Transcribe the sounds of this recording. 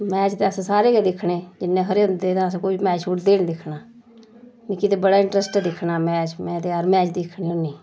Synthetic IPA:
mɛːt͡ʃt̪eːəsãːsaːɾeːkeːd̪ɪkʰːɽeːd͡ʒɪnːẽːkʰəɾeːʊnd̪eːt̪ãːəsãːkoimɛːt͡ʃt͡ʃʰuːʈd̪eːñːd̪ɪkʰnaː | mĩːkɪt̪ebəɽaːɪɳʈɾəsʈːd̪ɪkʰːnaːmɛ̃ːt͡ʃmɛ̃ːt̪eːəɾmɛːt͡ʃd̪ɪkʰːɳiːniː

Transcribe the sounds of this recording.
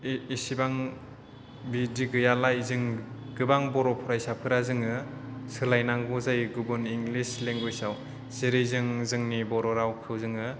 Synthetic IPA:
isibaŋ | bidiɡɯjalajzɯŋɡ̥ɯbaŋbɔɾɔpʰɔɾajsapʰɯɾazɯŋɯsɯlajnaŋɡuzajɡubɯniŋɡlisleŋɡojsaw | z̥eɾɯjzɯŋzɯŋnibɔɾɔɾawkʰɯwzɯŋɯ

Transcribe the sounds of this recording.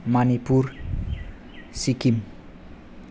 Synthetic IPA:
manipur | sikim

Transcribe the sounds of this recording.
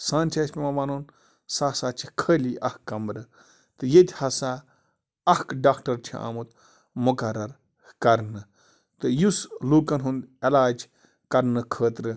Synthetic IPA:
sãːnt͡ʃʰɐsʲpʲimaʋanuːn | saːsaːt͡ʃʰi̥kʰəːliʔɐhkːɐmɾɨ | t̪ɨjet̪ʲhɐsa | ɐhkɖaːkʈɐɾt͡ʃʰḭa̰ːmut̪ | mukɐɾɐɾ | kɐɾnɨ | t̪ɨjusluːkɐnɦund̪elaːd͡ʒ | kɐɾnɨkʰəːt̪ɾɨ

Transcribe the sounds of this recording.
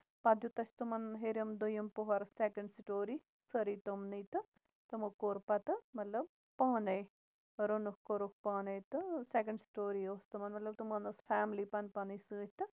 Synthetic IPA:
pɐd̪jut̪ɐst̪umɐnɦeɾɐmd̪ujɐmpoɦɐɾsekɐɳɖsʈoːɾi | sɐɾiːt̪omnit̪ɨ | t̪ɐmokoɾpɐt̪ɨmɐt̪lɐb̚ | paːnej | ɾonukkoɾok̚paːnet̪ɨsekɐɳɖsʈoːɾioːst̪umɐnmɐt̪lɐb̚t̪umɐnɐsfʰaːmlipɐnpɐnisɨːt̪ɨ

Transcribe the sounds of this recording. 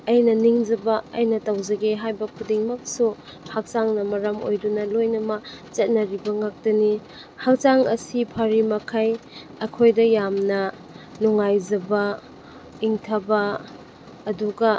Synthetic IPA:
ɐjnɐniŋd͡ʒɐbɐɐ̰jnɐtɐwzɐɡeɦajbɐkʰudiŋmɐk̚su | hak̚t͡ʃaŋnɐmɐɾɐmo̰jdunɐlojnɐmɐt͡ʃɐt̚nɐɾibɐŋak̚tɐni | hak̚t͡ʃaŋɐsipʰɐɾimɐkʰaj | ɐkʰojdɐjamnɐ | nuŋajzɐbɐ | iŋtʰɐbɐː | duɡɐ

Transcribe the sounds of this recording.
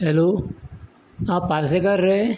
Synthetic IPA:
elo | ãpaɾs̬ekəɾːe

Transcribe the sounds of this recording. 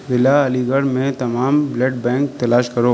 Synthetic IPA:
ɦɪlaɐliɡəɽmẽt̪ɐmaːmbleʈ̚bɛ̃ːŋk̚t̪ɐlaːʃkɐɾoː

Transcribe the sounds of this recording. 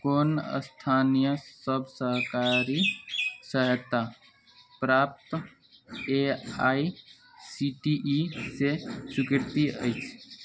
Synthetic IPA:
koːnə̰st̪ʰaːnijəsəbʱsəɦkaɾisəɦət̪ːa | pɾaːp̚t̪ | eaːi | siʈiʔːsesʊkɪɾt̪iə̰ɪt͡ʃʰ

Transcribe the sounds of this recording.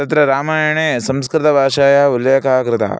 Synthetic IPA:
ɐt̪ɾɐɾaːmaːjɐɳeːsɐmskɾɪt̪ɐbʱaːʂaːjɐuljeːkaːɡɾɪt̪ɐ̰

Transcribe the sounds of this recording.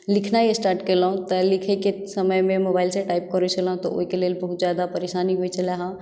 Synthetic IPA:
likʰnajesʈaɾʈkeləɦũt̪ɔlikʰɛkesəməjmemobailseʈajp̚kəɾɛt͡ʃʰələɦũt̪ɔo̰ɦikelelbəɦut̪̚d͡ʒjad̪apəɾesaniɦojt͡ʃʰəlaɦã

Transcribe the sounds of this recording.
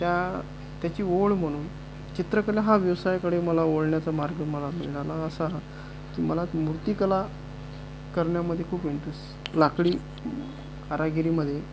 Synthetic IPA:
t̪ja | t̪jat͡ɕiːoɭm̤əɽ̃uːn | t͡ɕit̪ɾəkəlaɦaʋjəʋsajkəɽeməlaoɭɳjat͡samaɾɡəməlamḭɭɽalaəsa | kiməlamuɾt̪iːkəla | kəɾɳjaməd̪ʱːjekʰuːpʋiɳt̪əs | lakɽiː | aɾaɡiɾiːməd̪ʱːje

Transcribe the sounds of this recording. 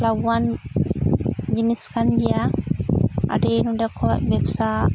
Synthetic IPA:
lawan | d͡ʒiniskand͡ʒija | ʔa̰denudɛkʰɔbɛpsa

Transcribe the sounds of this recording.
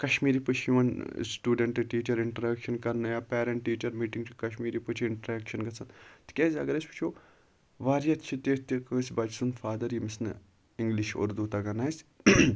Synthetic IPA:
kɐʃmiːɾipɨt͡ʃʰjiʋɐnsʈuːɖeɳʈɨʈiːt͡ʃɐɾɪɳʈɐɾɐkʃɐnkɐɾnɨjaːpɛːɾɐɳʈʈːiːt͡ʃɐɾmiːʈiŋɡt͡ʃʰi̥kɐʃmiːɾipɨt͡ʃʰiɪɳʈɐɾakʃɐnɡɐsʰɐnt̪kʲeːzʲɐɡɐɾɐsʲpɨ̥t͡ʃʰoː | ʋaːɾijɐt̪t͡ʃʰit̪eːt̪ikɐsʲbɐd͡ʒsunfaːd̪ɐɾjimisnɨ̰ | iŋɡliʃo̰ːɾd̪uːt̪ɐɡɐnaːjsʲ

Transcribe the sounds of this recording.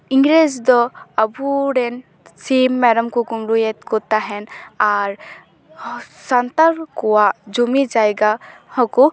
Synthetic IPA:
iŋɡɾed͡ʒd̪ɔəbuɾɛn | simːɛɾəmkukumɾujɛt̪̚kɔt̪aɦɛnaɾ | sant̪aɾkɔwaʔd͡ʒumid͡ʒajɡahɔku

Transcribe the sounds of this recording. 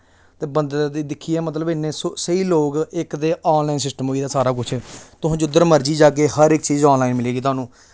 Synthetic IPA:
t̪eːbənd̪d̪iːd̪ɪkʰiːɛːmət̪̬ləbɪnːẽːsosəiːloːɡɪkd̪eːʔɔːnlaːinsɪsʈəmoːiːd̪aːsaːɾaːk̬ʊt͡ʃʰt̪ʊɦãːd͡ʒʊd̪ːəɾməɾd͡ʒiːd͡ʒaːk̬eːhəɾɪkt͡ʃiːzɔːnlaːinmɪleːɡiːʊɦaːnũː

